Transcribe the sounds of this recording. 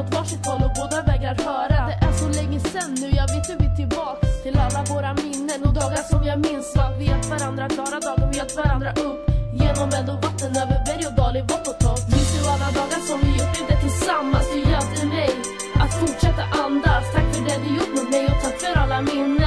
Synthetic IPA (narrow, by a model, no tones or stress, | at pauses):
ɔt̪vɑːʂɪt̪ʰɑːlɔboːd̪avɛːɡaɾat̪hœːɾad̪ɛʔɛnsɔlɛŋːəsɛnːʉ̟ːjɑːɡvɪːt̪əvɪt̪ʰɪlbɑːkst̪ʰɪlalːavoːɾamɪnːənɔd̪ɑːɡaʂɔmjɑɡmɪnsvɑveːt̪vaɾand̪ɾat̪kʰlɑːɾad̪ɑːɡɔveːt̪vaɾand̪ɾaʔɵpːjeːnɔmɛnd̪ɔvat̪ːənøːvəɾbɛɾjɔd̪ɑːlɪɡbɔʈːɔt̪ʰːɔmɪnsd̪ɵalːad̪ɑːɡaʂɔmvɪjʊɖəd̪ɛt̪ʰɪlsamːasd̪ɵjɛt̪ɛmɛj | ʔat̪fʊʈʂɛt̪ːaʔand̪ast̪ʰak̚t̪fœɖɛd̪ɵjʊʈːmɛmɛjɔt̪ʰakfœɾalːamɪnːə